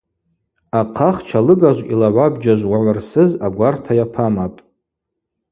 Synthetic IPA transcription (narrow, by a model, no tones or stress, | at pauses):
aqʰaχt͡ʃʰalɨɡaʒʷḭlaʕʷabd͡ʒaʒʷwaʕʷarsɨzaɡʷartʰajapʰamapʼ